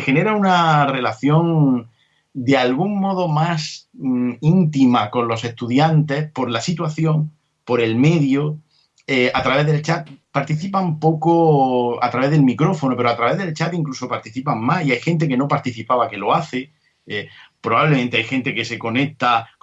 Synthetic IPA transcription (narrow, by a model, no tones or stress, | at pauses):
xe̞ne̞ɾaunare̞laθjõ̞ŋ | d̪e̞alɣuŋmo̞ð̞o̞mas | int̪imako̞nlo̞se̞ht̪uðjant̪e̞hpo̞ɾlasit̪waθjõ̞ŋ | po̞ɾe̞lme̞ðjo | eat̪ɾaβe̞ðe̞lt͡ʃat̪̚paɾt̪iθipampo̞koa̰t̪ɾaβe̞ðe̞lmikɾo̞fo̞nope̞ɾoat̪ɾaβe̞ðe̞lt͡ʃat̪iŋklusopaɾt̪iθipaŋmasiajxẽ̞nt̪̬e̞ke̞no̞paɾt̪iθipaβake̞lo̞aθe | epɾoβaβlemẽnt̪e̞ajxe̞nt̪e̞ke̞se̞ko̞ne̞k̚t̪a